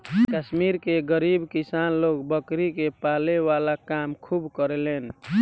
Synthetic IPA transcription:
kəsmiɾkeɡəɾibkisanlokbəkɾikepalewalakamkʰubkəɾelen

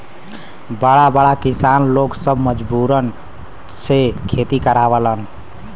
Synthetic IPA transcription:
bəɽabəɽakisanloksəbməd͡ʒbuɾən | sekʰet̪ikəɾabələn

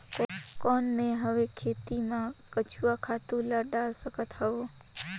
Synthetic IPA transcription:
kkɔnmẽɦəʋekʰet̪imãkət͡ʃuʋakʰat̪ũləɖalsəkət̪həʋo

